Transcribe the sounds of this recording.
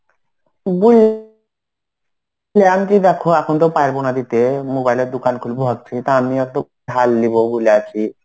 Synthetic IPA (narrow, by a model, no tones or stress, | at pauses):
bul | leamkid̪ɛkʰoɛkʰont̪opaeɾbonad̪it̪emobajleɾd̪ukankʰulboɦɔk̚t͡ɕʰit̪aamiɔkt̪o | ɦalːibobuleat͡ɕʰi